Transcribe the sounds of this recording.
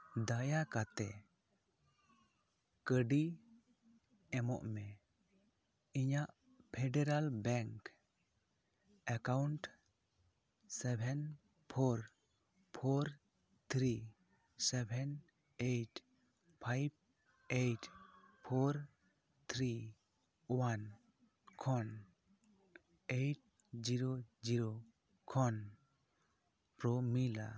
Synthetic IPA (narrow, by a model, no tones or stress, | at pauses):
d̪ajakat̪ɛ | kəɖi | ɛmɔ̰ʔmɛ | iɲaʔ | pʰɛɖɛɾalbɛŋk | akawɳʈ | sɛbʱɛn | pʰɔɾ | pʰoɾ | t̪ʰɾi | sɛbʱɛn | eʈ | pʰajb̚ | ejʈpʰoɾ | t̪ʰɾi | wan | kʰɔn | ejʈ̚ | d͡ʒiɾoziɾo | kʰɔn | pɾomila̰